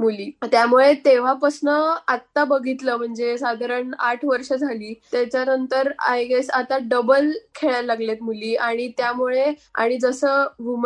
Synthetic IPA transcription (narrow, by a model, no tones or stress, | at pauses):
muliːt̪jamuɭet̪eʋ̤apəsnəat̪ːabəɡʱit̪ləːm̤əɳd͡zesad̪ʱaɾəɳaʈʰʋəɾʂəd͡zʱaliːt̪jat͡ɕjanənt̪əɾa̰jɡesat̪aɖəbəlkʰeɭjalaɡlet̪muliːaɽ̃it̪jamuɭea̰ɽ̃id͡zəsəːʋum